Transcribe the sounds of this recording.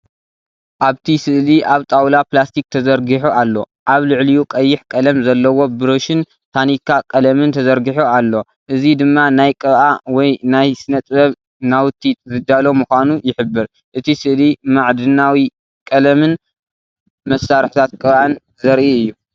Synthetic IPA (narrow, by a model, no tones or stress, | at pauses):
ʔaβt̪ʰisɨʔliʔaβt̪ʼawlaplast̪ʰik̚t̪ʰɐzɐɾɡiħualːo̞̰ | ʔaβlɨʕlijukʼɐjːɪħkʼɐlɐmzɐlːɐwo̞bɨɾoʃɪn | t̪ʰanikʰːakʼɐlɐmɨnt̪ʰɐzɐɾɡiħualːo̞ | ʔɨzid̪ɨmːanajkʼɐβʔawɔjnajsɨnɐt̪ʼbɐβ | nawt̪ʰːit̪zɨd̪alo̞mɨxʷanujɪħɨbːɨɾ | ʔɨt̪ʰisɨʔlimaʕd̪ɨnawi | kʼɐlɐmɨn | mɐsːaɾħt̪ʰat̪̚kʼɨβʔan | zɐɾʔiɨjːu